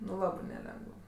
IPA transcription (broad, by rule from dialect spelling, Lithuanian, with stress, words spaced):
nʊ ˈlˠɑːbɜ nʲɛˈlʲɛŋɡəw